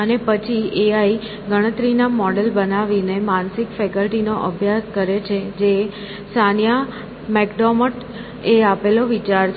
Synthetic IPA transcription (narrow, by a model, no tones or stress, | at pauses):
ənepət͡ʃʰieai | ɡəɽ̃ət̪ɾinamɔɽelbənaʋinemansɪkfɛkəlʈinoʔəbʱjaskəɾet͡ʃʰed͡ʒe | sanja | mɛkɖɔməʈ | eapeloʋit͡ʃaɾt͡ʃ